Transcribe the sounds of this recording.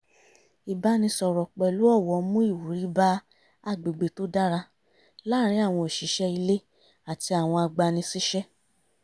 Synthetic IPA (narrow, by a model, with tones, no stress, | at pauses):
i˨ba˧˦nĩ˧sɔ˨ɾɔ˨k͡pɛ˨lu˨˦ɔ˦˨wɔ˧˦mũ˦i˦˨wu˨ɾi˨˦ba˦ | a˦˨ɡ͡be˨ɡ͡be˨to˦da˦ɾa˧ | la˦˨ɾi˨˦a˦˨w̃ɔ̃˧o˨ʃi˨˦ʃɛ˦i˧le˦ | a˨ti˧a˨w̃ɔ̃˧a˧ɡ͡ba˧nĩ˧si˦ʃɛ˦